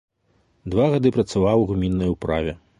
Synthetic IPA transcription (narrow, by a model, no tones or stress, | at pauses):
d̪vaɣad̪ɨpɾɐt̪savawɣumʲinːɐjupɾavʲɛ